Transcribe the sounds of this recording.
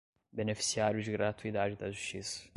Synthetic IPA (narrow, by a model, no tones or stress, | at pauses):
benefi̥siaɾjʊd͡ʒɪɡɾat̪uid̪ad͡ʒɪd̪ɐʒuʃt͡ʃisɐ̥